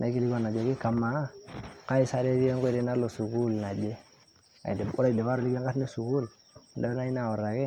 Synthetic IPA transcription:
nʔa˨i˦ki˦li˦ɡo˨na˨d͡ʒo˨ɡi˦ka˨ma˨˦ka˦i˦sa˦ɾe˦ɾi˦e˦ŋɡo˦˨ɾi˦na˦lo˨su˨ɡu˦lna˨d͡ʒe˦ | a̰˨i˨de˨bu˦a˦i˨de˨ba˦ɾo˦li˦ɡe˦ɡa˦tne˦su˨ɡu˦l | da˦na˦i˦na˨wo˨ɾa˨ɡe˦

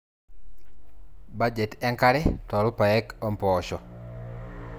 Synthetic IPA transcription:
ba˦d͡ʒe˨tɛ˦ŋka˦ɾɛ˦tɔ˨ɾʊ˦pa˨ɛ˦kɔ˦mpɔːʃɔ˨

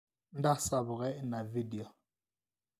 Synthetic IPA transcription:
n˦da˦sa˨βʊ˨ɣɛ˦na˨vi˦di˨ɔ˨

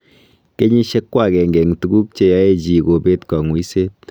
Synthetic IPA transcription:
ke˦ɲi˦ʃe˦kːwa˦˨kɛ˨ŋɡe˨ŋtu˨ɡu˦k̚t͡ʃe˦ja˦e˦t͡ʃi˨ko˨pe˦tkɔ˨ŋwi˦se˦t̚

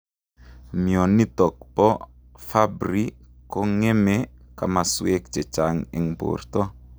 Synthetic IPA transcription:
mjɔ˨ni˦tɔ˨kpɔ˦ | fa˦bɾi˦kɔ˦ŋe˦me˦ka˨ma˨swe˦kt͡ʃe˨t͡ʃa˨ŋḛ˨ŋbo̰˨rt̪ɔ˦

